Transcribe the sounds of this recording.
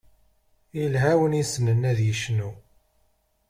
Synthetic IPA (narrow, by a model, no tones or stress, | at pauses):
ilɦæwənisnənːæðjəʃnu